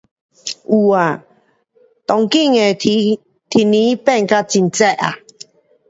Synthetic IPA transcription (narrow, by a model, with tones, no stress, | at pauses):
u˨a˨ | t̪ɔ˨ŋki˥˨ŋe˨˩˧ | t̪ʰi˨˩nĩ˦pɛ˥˧˨nka˦t͡ɕi˧nt͡sɛ˥˧˨ʔa̰˨